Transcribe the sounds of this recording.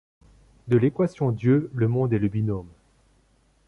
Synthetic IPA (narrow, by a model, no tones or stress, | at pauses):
d̪əlekwasjɔ̃d̪jøləmɔ̃d̪ɛləbinom